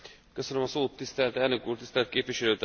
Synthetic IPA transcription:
køsønømɒsoːt̪ːist̪ɛlt̪ɛlnø̞kuːrt̪ist̪ɛlɛt̪keːpvʋiʃɛløːt̪

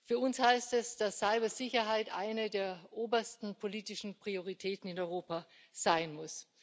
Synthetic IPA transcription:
fyːɐʊnshaɪstɛsd̥asːaɪbɐzɪçɐɦaɪtʔaɪnədeːɐʔoːbɐstn̩pʰoliːtɪʃn̩pʁ̥ioʁ̞itʰɛːtn̩ɪnɔʏʁoːpa | z̥aɪnmʊs

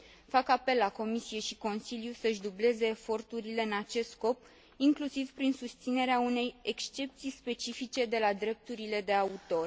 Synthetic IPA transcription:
fakape̞lːako̞misije̞ʃiko̞nsiljusəʃd̪uble̞ze̞ːfo̞rt̪uɾile̞ɨnat͡ʃe̞st̪sko̞p̚ | iŋklusiv̥pɾinsust̪sine̞ɾeaune̞je̞kst͡ʃe̞p̚t̪sijspe̞t͡ʃifit͡ʃe̞d̪e̞lad̪ɾe̞p̚t̪uɾile̞d̪e̞aut̪o̞r

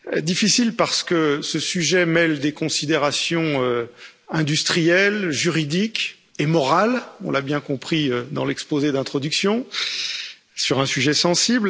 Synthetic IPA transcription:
d̪ifisilpaʁsə̥kəsəsyʒɛmɛld̪ekɔ̃sid̪eʁasjɔ̃ø | ɛ̃d̪yst̪χijɛlʒyʁid̪ik | emɔʁalɔ̰̃labjɛ̃kɔ̃pχiød̪ɑ̰̃lɛkspozed̪ɛ̃t̪χɔd̪yksjɔ̃ | syʁɛ̃syʒɛsɑ̃sibl

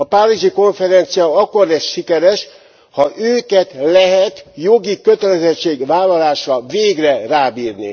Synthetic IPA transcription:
ɒpariʒiko̞ɱfɛɾɛnt̪sijɒɒkːo̞rlɛsʃikɛɾɛʃ | hɒʔøːkɛt̪lɛɦɛt̪jo̞ɡikø̞t̪ɛlɛzɛt͡ʃːeːɡʋaːlːɒlaːʃɒveːɡrɛraːbiːrnḭ

